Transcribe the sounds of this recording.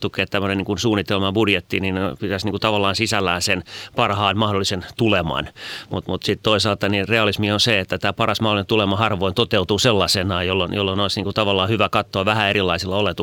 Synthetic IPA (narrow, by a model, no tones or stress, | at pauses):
t̪ukːˑeːt̪t̪æmːøneniːŋkunsuːnːit̪elmɑbudjet̪ːininnepit̪æsniŋkut̪ɑʋɑlːɑːnsisælːæːnsenpɑrhɑːnmɑhdolːˑisent̪ulemɑ̰nmut̪mut̪sit̪t̪oisɑːlt̪ɑnireɑlismionseet̪ːæt̪æːpɑrɑsmɑholinent̪ulemɑhɑrʋoint̪ot̪eut̪uːselːɑsenɑːjjolːonjo̰lːonoisniːŋkut̪ɑʋɑlːɑːhyʋækɑt̪ːoɑʋæhæeɾilːɑisilːɑolet̪u